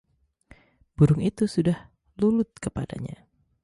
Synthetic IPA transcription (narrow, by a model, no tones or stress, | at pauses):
b̥uɾʊŋit̪usudah | lulʊt̪̚kəpada̰ɲa̰